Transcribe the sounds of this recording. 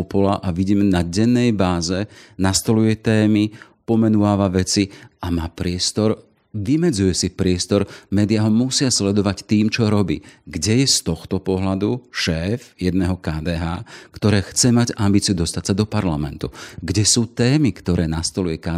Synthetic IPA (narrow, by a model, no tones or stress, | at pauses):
ɔpɔlaʔaʋiɟiːmɛnaɟɛnːɛjbaːzɛnast̪ɔlujɛt̪ɛːmi | pɔmɛnuʋaːʋaʋɛt͡siamaːpɾɪɛst̪ɔɾ | ʋimɛd͡zujɛsipɾɪɛst̪ɔɾmɛːd̪ɪaɦɔmusɪaslɛd̪ɔʋact̪iːmt͡ʃɔɾɔbḭːɡɟɛjɛst̪ɔxt̪ɔpɔɦlad̪uʃɛːfjɛd̪nɛːɦɔkaːd̪ɛːɦaːkt̪ɔɾɛːxt͡sɛmaɟambiːt͡siud̪ɔst̪atsad̪ɔpaɾlamɛ̰nt̪uɡɟɛsuːt̪ɛːmikt̪ɔɾɛːnast̪ɔlujɛkaː